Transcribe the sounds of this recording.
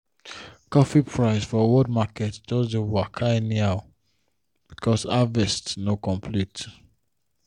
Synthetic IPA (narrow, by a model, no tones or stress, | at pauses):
kɔfipʰɹaɪsfɔwɔd̚makɛtd͡ʒɔdoakʰaniaʊ | b̥ikʰɔsavɛstnokɔ̃mpʰlit